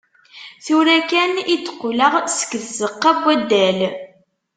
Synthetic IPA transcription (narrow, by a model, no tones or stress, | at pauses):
θuɾækænid̪ə̥qːoləʁsə̥kːəðzəqːɑbːæd̪ːæl